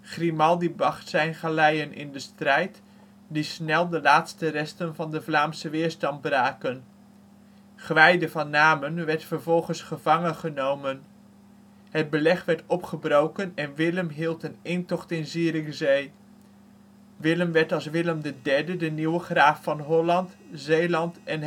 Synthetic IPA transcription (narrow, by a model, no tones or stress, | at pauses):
χrimɑlˠdibɑχtsɛjnχalɛjənʔɪ̰ndəstrɛjt | disnɛlˠdəlaːtstərɛstənvɑndəvlaːmsəʋɪːɹstɑnt̚braːkən | χʋɛjdəvɑnːaːmənʋɛɹtfəɹvɔlˠχənsχəv̥ɑŋənχənowmən | ɦəd̚bəlɛχʋɛɹtɔpχəbrowkənɛnʋɪləmɦilˠtənɪntɔχtɪnziːrɪkzej | ʋɪləmʋɛɹtɑlˠsʋɪləmdədɛɹdədəniwəχraːfːɑnɦɔlɑntzejlɑntɛn